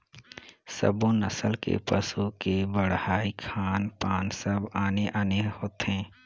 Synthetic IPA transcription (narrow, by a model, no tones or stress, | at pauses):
sə̰bõnəsəlkḛpəsukebəɽhaːikʰaːnpaːnsəbaːneʔaːnehoːt̪ɦɛ̃ː